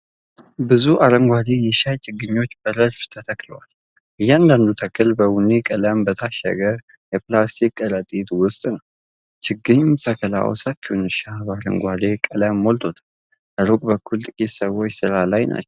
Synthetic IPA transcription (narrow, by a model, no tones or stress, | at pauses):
bɨzuʔaɾəŋɡʷad̪ejɛʃajt͡ʃʰʼɪɡɨɲːo̞t͡ʃːbəɾəɾft̪ʰət̪ʰəkləwal | ʔɨjːɛand̪and̪ut̪ʰəkʰʼːɨlbəwunikʼələmbət̪ʰaʃɛ̰ɡə | jɛplast̪ʰikʼːəɾət̪ʼit̪wʊst̪ʼnəw | t͡ʃʰɪɡɨɲmt̪ʰəkʰəla̰w̰səfiunɨʃabaɾə̰ŋɡʷalekʼələmːolt̪ʰo̞t̪ʰḁl | ʔəɾokʼbəkːult̪ʼɨkʼit̪səwo̞t͡ʃːsɨɾalajnʔa̰t͡ʃːɛw